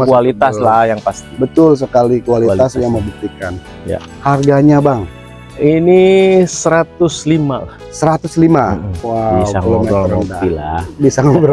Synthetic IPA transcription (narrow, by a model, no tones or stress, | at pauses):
məkualit̪aslahjaŋpast̪ibət̪ʊls̬əkalikualit̪asjaŋməbut̪ikan | ja̰ | harɡaɲabaŋ | inisəɾat̪ʊslima̰lahsəɾat̪ʊslimawabiwaəlomaəɾədailabisaŋəbər